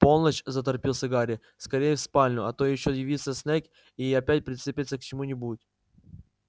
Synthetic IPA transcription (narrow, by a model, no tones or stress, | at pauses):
po̞lˠnəst͡ɕzət̪̬ɐrpʲilˠsʲɐɡaɾʲɪ | skɐɾʲejɪfspalʲnʲʊɐt̪o̞jɪɕːojɪvʲit̪sʲəsʲnʲekʲ | iɐpʲætʲpɾʲɪt̪sɨpʲɪt̪səkt͡ɕɪmunʲɪbuɪt̪ʲ